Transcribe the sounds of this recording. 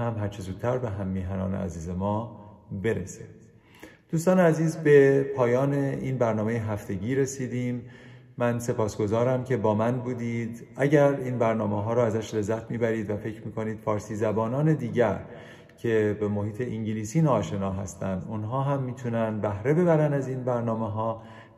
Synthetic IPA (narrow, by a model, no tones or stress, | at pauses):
hæmɦæɾt͡ʃʰezuːd̪̥̚tːʰæɾbe̞ɦæmːiːɦænɒ̰ːnḛæ̰ziːzemɒːbe̞ɾese | d̪̥uːst̪ɒːneæziːzbe̞pʰɒːjɒːne̞iːnbæɾnɒːme̞jeɦæft̪e̞ɟiːɾe̞siːd̪iːmː | ænse̞pʰɒːsɡ̥o̞zɒːɾæmcʰe̞bɒːmænbuːd̪iːd̪æɟæɾiːnbæɾnɒːmeɦɒːɾɔːæzæʃle̞zːæt̪ʰmiːbæɾiːd̪væfe̞cʰɾmiːkʰo̞niːd̪̥fɒːɾsiːzæbɒːnɒːne̞d̪iːɟæɾ | cʰe̞be̞mohiːt̪ʰe̞ʔiŋɟiliːsiːnɒːʃe̞nɒːɦæst̪ʰænd̪unɦɒːɦæmːiːt̪ʰunænd̪bæhɾe̞be̞bæɾænd̪æziːnbæɾnɒːme̞ɦɒː